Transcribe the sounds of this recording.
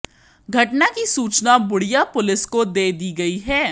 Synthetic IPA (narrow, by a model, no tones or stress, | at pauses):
ɡʱɐʈnakisuːt͡ʃnabʊɽijapʊlɪskod̪eːd̪iːɡɐiɦɛː